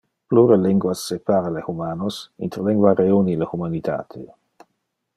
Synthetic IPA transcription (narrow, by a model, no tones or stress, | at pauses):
pluɾeliŋɡwasːepaːɾalehumaːnosḭnt̪ɾleŋɡwaɾeunilehumanit̪ʰa̰ːt̪ʰe